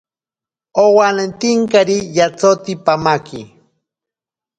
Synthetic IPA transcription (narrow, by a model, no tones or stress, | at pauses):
owanent̪iŋkaɾijat͡sot̪ipamakḭ